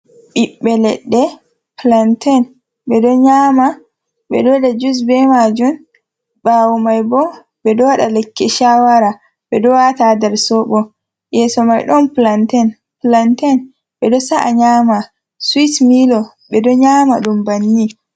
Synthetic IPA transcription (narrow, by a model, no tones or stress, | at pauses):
ɓiɓːɛlɛ̰ɗːɛ | plantʰɛn | ɓɛdɔɲaːma | ɓɛ̰dɔdad͡ʒus̬bɛmad͡ʒun | ɓawɔmajbɔ | bɛdɔwaɗalɛkːɛʃawaɾa | ɓɛdɔwatadɛɾsɔɓɔ | jɛsɔmajɗɔnplantɛn | plantɛn | ɓɛɗɔsaʔa̰ɲama | switmilɔ | ɓɛdɔɲama̰ɗumbanːi